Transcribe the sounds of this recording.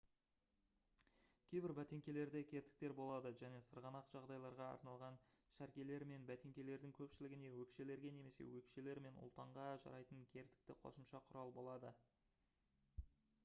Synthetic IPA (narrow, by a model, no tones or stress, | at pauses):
kʲʰe̞jbɪɾbæt̪e̞ŋkʲe̞le̞ɾd̪ekʲʰe̞ɾt̪ɪ̥k̚t̪e̞ɾbo̞lˠɑd̪əʒæne̞səɾʁɑnɑqʒ̥ɑʁd̪ɑjlˠɑɾʁɑɑ̰ɾnɑlˠʁɑnʃæɾkʲe̞le̞ɾme̞nbæt̪e̞ŋkʲe̞le̞ɾd̪ɪŋkʲʰɵpʃɪlɪɡʲɪne̞wɵkʃe̞le̞ɾɡʲe̞ne̞me̞se̞̰wɵkʃe̞le̞ɾme̞nʊ̰lˠt̪ɑɴʁɑʒɑ̰ɾɑjt̪əŋkʲʰe̞ɾt̪ɪ̥k̚t̪ɪqʰo̰səmʃɑqʰʊɾɑlˠbo̞lˠɑd̪ə